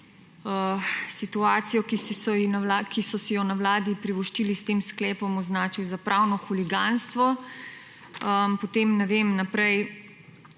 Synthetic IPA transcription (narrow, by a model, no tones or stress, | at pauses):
əsit̪uaːt̪sijɔkisɔakisɔsɛjɔnawlaːd̪ipɾiʋɔʃt͡ʃilist̪eːmsklɛːpɔmɔznaːt͡ʃiwzapɾʔaːwnɔxuliɡanst̪ʋɔ | əpɔt̪emnɛʋeːmnapɾɛj